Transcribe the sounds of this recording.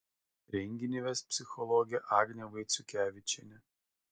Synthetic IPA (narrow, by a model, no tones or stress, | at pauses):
ɾʲɛŋʲɡʲɪnʲiʋʲespʲsʲɪxɔlˠɔɡʲɪɛʔɑːɡnʲɛʋɐɪt̪sʲʊkʲæːʋʲɪt͡ʃʲɛnʲɛ